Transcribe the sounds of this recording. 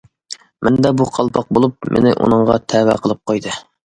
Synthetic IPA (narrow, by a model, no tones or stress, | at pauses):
mʔɛnd̪ɛbuqʰɑlˠpʰɑq̚bolˠup̚mʔɪ̰nɪʔṵnɨŋʁɑt̪ʰæwæ̰qʰəlˠɨp̚qʰojd̪ɨ